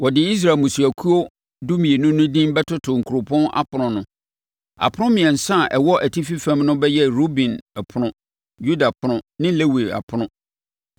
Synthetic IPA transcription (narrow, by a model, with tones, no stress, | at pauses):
wɔ˨dɪ˨i˦s̬ɾa˨mũ˨su˨æ˨kʰu˦o˦ | du˦mĩ˨e˨nʊ̃˦nʊ̃˦dĩ˦mbɛ˦tʰʊ˦tʰʊ˨ŋ̩˨kʰu˨ɾʊ˨pʰɔ̃˦na̰˦pʰʊ˨nʊ̃˨nʊ̃˨ | a̰˨pʰʊ˦ʊ̃˦mɪ̃˨ɛ̃˨n̩˨sã˦˨ʔɛ˨wɔ˦ʔæ˨tʰi˦fi˦fæ̃˦mnʊ̃˦bɛ˦jɛ˦ɾo˦bĩ˨nɛ˨pʰʊ˨˦ʊ̃˦ | ju˦da˨pʰʊ˦nʊ̃˦nɪ̃˦le˦we˨a̰˨pʰʊ˦ʊ̃˦